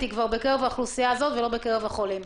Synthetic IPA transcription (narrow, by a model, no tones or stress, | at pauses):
t̪ikvaʁbe̞keʁevaχlusijaːzo̞t̪velo̞bekeʁevaχo̞lim